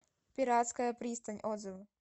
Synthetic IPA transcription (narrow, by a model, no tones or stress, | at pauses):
pʲiɾat̪skajɛpɾiːst̪aɲʲʔɔd̪zɪʋ